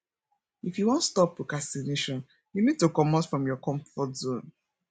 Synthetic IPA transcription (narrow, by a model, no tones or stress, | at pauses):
ifjuwɔ̃ntstɔpːɹokastineʃɔ̃n | junid̚tukɔmatfɹɔ̃mjɔkɔ̃mfɔtzõn